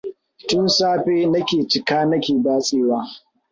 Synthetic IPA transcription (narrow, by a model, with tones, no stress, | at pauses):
tʊ˦nsaː˦ɸeː˦nɐ˦kʲeː˨t͡ʃɪ˨kaː˦nɐ˦kʲeː˨baː˦sʼeː˦waː˦